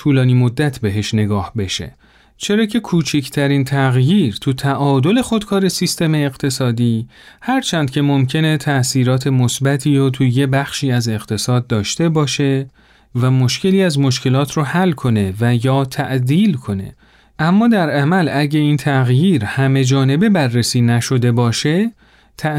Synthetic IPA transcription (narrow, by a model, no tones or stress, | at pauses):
t̪ʰuːlɒːniːmo̞d̪ːæt̪ʰbe̞ɦe̞ʃne̞ɡɒːhbe̞ʃe̞̰ | t͡ʃʰe̞ɾɒːcʰe̞kʰuːt͡ʃʰecʰt̪ʰæɾint̪ʰæɣjiːɾt̪ʰut̪ʰæʔɒːd̪o̞le̞xo̞d̪kʰɒːɾe̞sist̪e̞me̞ːɣ̥t̪ʰe̞sɒːd̪iːhæɾt͡ʃʰænd̪̚cʰe̞mo̞mcʰe̞ne̞t̪ʰæʔsiːɾɒːt̪ʰe̞mosbæt̪ʰiːɾot̪ʰujebæxʃiːæze̞ɣt̪ʰe̞sɒːd̪̚ːɒːʃt̪e̞bɒːʃe̞ | væmo̞ʃce̞liːæzmo̞ʃcʰe̞lɒːt̪ʰɾohælkʰo̞ne̞væjɒːt̪ʰæʔd̪iːlkʰo̞ne̞̰ | ʔæmːɒːd̪æɾæmælæɟeiːnt̪ʰæɣjiːɾhæme̞d͡ʒɒːne̞be̞bærːesiːnæʃo̞d̪e̞bɒːʃe̞ | t̪ʰæ